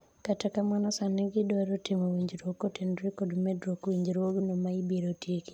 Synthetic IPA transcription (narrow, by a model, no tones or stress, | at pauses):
katakamanɔsanɛɡɪdɔɾotɪmowiɲd͡ʒɾokotɪndɾikodmedɾokwiɲd͡ʒɾoɡnomaibeɾotjeki̥